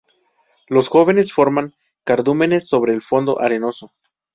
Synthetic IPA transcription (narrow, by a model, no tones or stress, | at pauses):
lo̞sxo̞βe̞ne̞sfo̞ɾmaŋ | kaɾðume̞ne̞sːo̞β̞ɾe̞ːlfo̞nd̪o̞̰ʔaɾe̞no̞so